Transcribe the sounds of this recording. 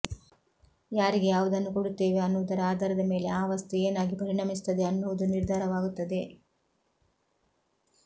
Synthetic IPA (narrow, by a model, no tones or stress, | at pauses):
jaːɾiɡe̞jaːʋud̪ɐnːukoɽut̪ːe̞ːʋeɐnːuʋud̪ɐɾɐaːd̪ɐɾɐd̪ɐme̞ːle̞aːɐʋɐst̪eeːnaːɡipɐɾiɳɐmisu̥t̪ːɐd̪e̞ɐnːuʋud̪uniɾd̪ʱaːɾɐʋaːɡut̪ːɐd̪e̞